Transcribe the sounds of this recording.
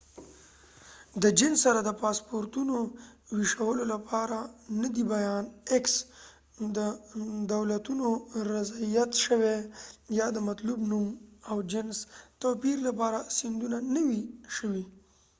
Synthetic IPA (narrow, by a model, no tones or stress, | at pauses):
d̪əd͡ʒɪnsːaɾad̪əpɑspoɾt̪unowiʃawəlolapʰɑɾanəd̪ibajɑneks | d̪əd̪awlat̪unoɾazaijat̪ʃəwejɑd̪əmat̪lubnumawd͡ʒɪnst̪opiɾlapɑɾasɪnd̪unanəwiʃəwi